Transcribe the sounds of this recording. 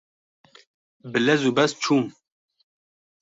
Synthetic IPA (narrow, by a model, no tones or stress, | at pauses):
bɨlɛzubɛst͡ʃʰuːm